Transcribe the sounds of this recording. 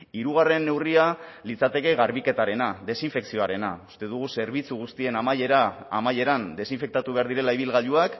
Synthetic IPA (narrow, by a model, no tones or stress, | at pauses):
iɾuɣ̞are̞nːe̞wrialit͡sat̪e̞ke̞ɣaɾβike̞t̪aɾe̞naðe̞siɱfe̞ksio̞aɾe̞na̰ust̪e̞ðuɣ̞use̞ɾβ̞it͡suɣ̞ust̪ie̞naaamaje̞ɾand̪e̞siɱfe̞k̚t̪at̪uβe̞aɾðiɾe̞laiβ̞ilɣaʎuak